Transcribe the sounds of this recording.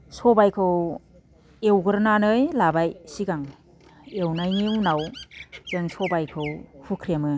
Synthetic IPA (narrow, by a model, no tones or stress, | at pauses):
sɔbajkʰɯw | ewɡɯɾnanɯjlabajsiɡaŋ | ewnajnewnawzɯnsɔbajkʰɯwhukʰɾiamɯ